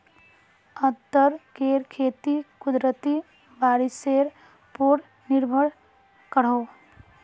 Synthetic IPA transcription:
ət̪ːəɾkeːɾkʰeːt̪ikʊd̪ɾət̪i | baːɾiseːɾ | poɾ | nɪɾbʱəɽ | kəɽ̤oː

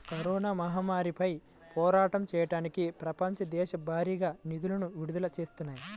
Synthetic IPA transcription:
kɐɾɔːnaːmɐɦaːmaːɾipɐj | pʰɔːɾaːʈɐmt͡ʃɛːjɐʈaːnikipɾɐpɐmt͡ʃɐd̪ɛːʃɐbʱaːɾiːɡaːnid̪ulɐnuʋiɽud̪ulɐt͡ʃeːst̪unːaːji

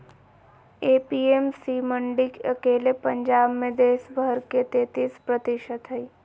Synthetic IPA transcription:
eːpiːemsiːmə̃ɳɖɪkɐkeːlepə̃ɲd͡ʒaːbmẽd̪eːʃbʱəɾket̪eːt̪ispɾət̪ɪʃət̪ɦɐi

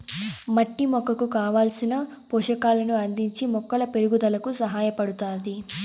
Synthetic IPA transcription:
mɐʈːimɔkːɐkukaːʋaːlsinɐ | pɔːʂɐkaːlɐnuɐnd̪iɲt͡ʃimɔkːɐlɐpe̞ɾuɡud̪ɐlɐkusɐɦaːjɐpɐɽut̪aːd̪i

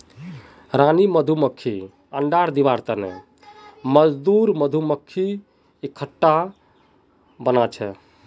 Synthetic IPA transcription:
ɾaniməd̪ʱuməkʰːi | əɳɖaɾd̪iβaɾt̪ənḛ | məd͡ʒd̪uɾməd̪ʱuməkʰːi | ekʰːəʈːa | bənat͡ʃʰɛ

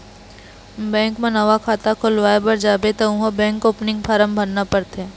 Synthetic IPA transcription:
bɛ̃ːŋkmẽnəʋakʰaːt̪akʰʊlʋaːebɐɾd͡ʒaːbet̪ɐũɦobɛ̃ːŋkoːpnɪ̃ŋɡpʰaːɾəmbʱɐɾnapəɾt̪ɛː

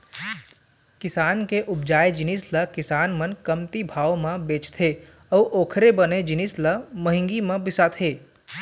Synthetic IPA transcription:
kɪsaːnkeʔʊb̚d͡ʒaːed͡ʒɪnisləkɪsaːnmənkəmt̪ibʱaːʋmãbeːt͡ʃt̪ʰe | ɔːʔoːkʰɾebəned͡ʒɪnisləməɦɪ̃ŋɡimãbɪsat̪ʰeː

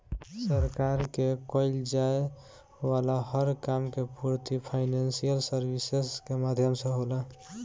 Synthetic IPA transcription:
səɾkaɾkekəɪld͡ʒae | walahəɾkamkepuɾt̪ipʰaɪnansijəlsəɾbiseskemad̪ʱjəmsə̃ɦolə

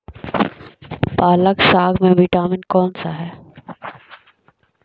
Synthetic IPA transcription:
paːləksaːɡmẽʋɪʈaːmɪnkɔːnsaɦɛː

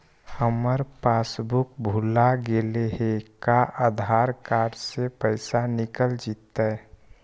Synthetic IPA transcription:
həməɾpaːsbʊk̚bʱulaɡeleɦekaʔəd̪ʱaːɾkaːɾɖsepəɪsanɪkəld͡ʒiːt̪aɛ

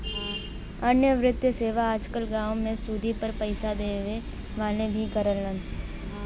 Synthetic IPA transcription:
ɐnjəʋɾɪt̪jəseːʋaaːd͡ʒkəlɡãːomẽsuːd̪ʱipəɾpəɪsad̪eːʋe | ʋaːlebʱikəɾəlːə̃n

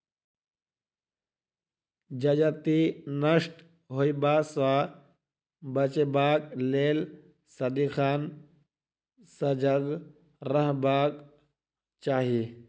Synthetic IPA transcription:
d͡ʒɐd͡ʒat̪inəsʈ | ɦoibaːsʋaː | bɐt͡ʃebaːkleːl | sɐd̪ixʰaːn | sɐd͡ʒəɡ | ɾəɦbaːk | t͡ʃaːɦi

